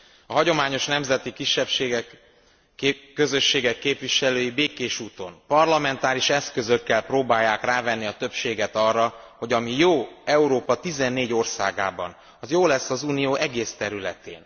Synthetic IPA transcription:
ɒɦɒɟo̞maːɲo̞ʃnɛmzɛt̪ikiʃːɛpʃeːɡɛk | ø̞zø̞ʃːeːɡɛkːeːpvʋiʃɛløːjibeːkeːʃuːt̪o̞̰mpɒrlɒmɛnt̪aːɾiʃɛskø̞zø̞kːɛlproːbaːjːaːkraːvɛnːiɒt̪ø̞pʃeːɡɛt̪ɒrːɒho̞ɟɒmijoːɛuɾoːpɒt̪izɛnːeːɟo̞rsa̰ːɡa̰ːbɒ̰n | ɒjoːlɛsːɒzuːnijoːʔɛɡeːst̪ɛɾylɛ̰t̪ḛːn

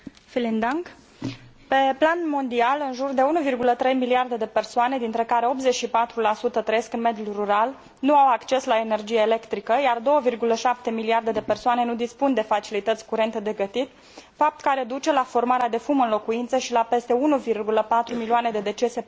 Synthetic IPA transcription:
filind̪aŋk | pe̞planmo̞nd̪ialɨnʒurd̪e̞unuvirɡulət̪ɾe̞jmiliard̪e̞d̪e̞pe̞rsoane̞d̪int̪ɾekaɾe̞o̞pze̞t͡ʃʃipat̪ɾulasut̪ət̪ɾejeskɨnme̞d̪julruɾal | nuawakt͡ʃe̞slaene̞rd͡ʒijeele̞kt̪ɾikəjard̪o̞wəvirɡuləʃap̚t̪e̞miliard̪e̞d̪e̞pe̞rsoane̞nud̪ispund̪e̞fat͡ʃilit̪ət̪sʲkuɾe̞nt̪əd̪e̞ɡət̪it̪ | fap̚t̪kaɾe̞d̪ut͡ʃe̞lafo̞rmaɾead̪e̞fumɨnlo̞kuint̪səʃilape̞st̪e̞unuvirɡuləpat̪ɾumilioane̞d̪e̞d̪e̞t͡ʃe̞se̞

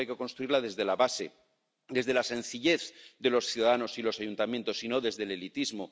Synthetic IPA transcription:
ajke̞ko̞nst̪ɾuiɾlaðe̞zðe̞laβase̞ | d̪e̞zðe̞lasẽ̞n̟θiʎe̞θd̪e̞lo̞sθjuðaðano̞silo̞sajunt̪amjẽnt̪o̞sino̞ðe̞zðe̞le̞lit̪izmo

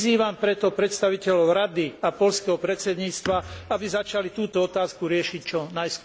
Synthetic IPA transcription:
ziːʋampɾɛt̪ɔpɾɛt̪st̪aʋicɛlɔʊɾad̪iapɔʎskɛɦɔpɾɛt̪sɛd̪ɲiːt͡st̪ʋaabizat͡ʃalit̪uːt̪ɔɔt̪aːskuɾɪɛʃict͡ʃɔnajsk

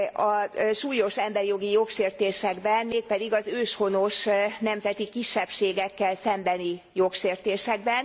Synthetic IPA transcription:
ɒʃuːjo̞ʃɛmbɛrijo̞ɡijo̞kʃeːrt̪eːʃɛɡbɛnmeːk̚pɛd̪iɡɒzøːʃho̞no̞ʃnɛmzɛt̪ikiʃːɛpʃeːɡɛkːɛlsɛmbɛnijokʃeːrt̪eːʃɛɡ̚bɛn

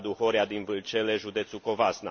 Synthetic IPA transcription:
d̪uho̞ɾead̪invɨlt͡ʃeleʒud̪e̞t̪suko̞vasna̰

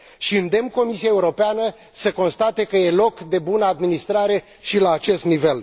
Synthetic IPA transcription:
ʃiɨnd̪e̞mko̞misiaeuɾo̞peanə | səko̞nst̪at̪e̞kəje̞lo̞kd̪e̞bunəad̪minist̪ɾaɾe̞ | ʃilaːt͡ʃe̞st̪nive̞l

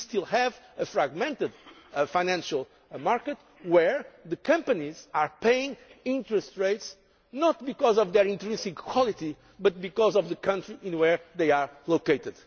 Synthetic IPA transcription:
st̪ilˠhɛvəfɾaɡmɛ̃nt̪ɨd̪faɪ̃næ̃nʃalˠ | maɹkət̪ | wɛɹðɨkʰʌ̃mpɐnizaɹpeɪĩŋĩntɹɨst̪ɹeɪts | nɔt̪bikɔzɔvðɛɹĩnt̪ɾĩnsĩŋkʰwɔlˠit̪i | bʌt̪̚bikɔzɔvðəkʰʌ̃ntɹiʔĩnwɛɹðeɪaɹlokeɪt̪ɨd̪̥

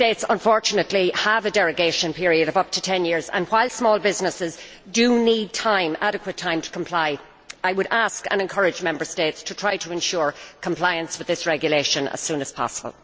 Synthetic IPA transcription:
teɪtsə̰̃ɱfɔɹt͡ʃənətˡliəvədɛɹɨɡeɪʃə̃npʰɪɹiɨɾʌvʌp̚tʰətʰɛ̃njɪɹzə̰̃nwaɪlˠsmɔːlˠbɪznəsɪz | dənid̚tʰãɪ̃maɾɨkʰwətʰãɪ̃mtʰə̥kʰə̃m̩pʰl̥aɪ | aɪwəɾaskə̰̃nɛ̃nkʰɜɹɨd͡ʒmɛ̃mbə˞steɪtstʰətʰɹ̥aɪɾəɛ̃nʃʊːɹkʰə̃mpʰl̥aɪə̃nswɨðɪsɹɛɡjəleɪʃə̃nə̰z̥sũːnəz̥pʰɑ̰səbə̰lˠ

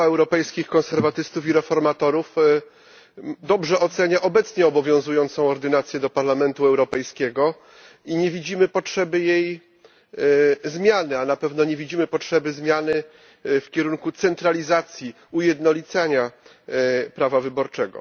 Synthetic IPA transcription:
ɛwɾɔpɛjskʲixkɔ̃ñsɛɾvat̪ɘst̪ufiɾɛfɔɾmat̪ɔɾuf | d̪ɔbʐɛʔɔt̪sɛɲaʔɔbɛt̪sɲɛɔbɔvʲjɔ̃w̃zujɔnt̪sɔ̃w̃ɔɾd̪ɘnat̪sʲjɛd̪ɔpaɾlamɛnt̪uɛwɾɔpɛjskʲɛɡɔ | iɲɛvʲid͡ʑimɘpɔtʂɛbɘjej | zmʲjanɘanapɛvnɔɲevʲid͡ʑimɘpɔtʂɛbɘzmʲjanɘ | fkʲɛɾuŋkut̪sɛnt̪ɾalʲizat̪sʲji | ujɛd̪nɔlʲit̪saɲa | pɾavavɘbɔɾt͡ʂɛɡɔ̰

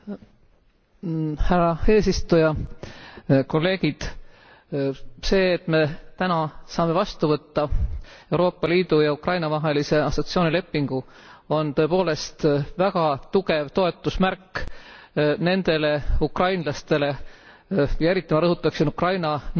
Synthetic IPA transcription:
hærɑe̞ːsist̪ujɑ | ko̞lːe̞ːɡ̥id̪̥ | se̞ːt̪ːme̞t̪ænɑsɑːme̞vɑst̪uvɤt̪ːɑe̞wɾo̞ːpːˑɑliːd̪̥ujɑukrɑjnɑvɑɦe̞lise̞ɑsot̪sio̞ːnile̞pːiŋɡ̥u | o̞nt̪ɤ̞e̞po̞ːle̞st̪væɡ̥ɑt̪uɡ̥e̞vt̪o̞e̞t̪ːˑusmæɾkː | ne̞nd̪̥e̞le̞ukrɑjnlɑst̪e̞le̞ | jɑeɾit̪ːˑimɑɾɤɦut̪ːˑɑksinukrɑjnɑn

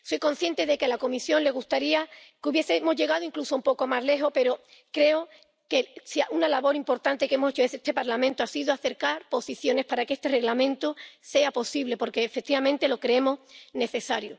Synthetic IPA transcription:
so̞jko̞n̟θje̞nt̪e̞ðe̞kealako̞misjo̞nle̞ɣ̞ust̪aɾiakuβje̞semo̞zʝe̞ɣ̞aðoiŋklusoumpo̞komazle̞ɦo̞pe̞ɾo̞ | kɾe̞o | kesiaʔunalaβo̞ɾimpo̞ɾt̪ant̪e̞ke̞moset͡ʃoeet̪epaɾlamẽnt̪oasiðoaθe̞ɾkaɾpo̞siθjo̞ne̞spaɾakee̞st̪e̞re̞ɣlamẽ̞nt̪ose̞apo̞siβle̞po̞ɾke̞ːfek̚t̪iβamẽnt̪e̞lo̞kɾeemo̞sne̞θe̞saɾjo

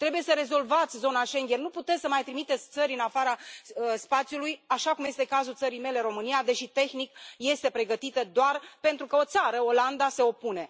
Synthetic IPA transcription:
t̪ɾe̞buje̞səɾe̞zo̞lvat̪sʲzo̞naʃe̞ŋɡʲernuput̪esʲsəmajt̪ɾimit̪et̪sʲt̪səɾʲɨnafaɾaəspat̪sjulujaʃakumje̞st̪e̞kazult̪səɾijme̞le̞ɾo̞mɨnijad̪e̞ʃit̪e̞xnikje̞st̪e̞pɾe̞ɡət̪it̪əd̪oarpe̞nt̪ɾukəo̞t̪saɾəo̞land̪ase̞o̞pune̞

